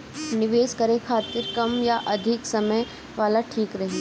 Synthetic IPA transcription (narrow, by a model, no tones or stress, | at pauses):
nɪʋeːskɐɾekʰaːt̪ɪɾkɐmjaʔɐd̪ʱɪksɐməj | ʋaːlaʈʰiːkɾɐɦe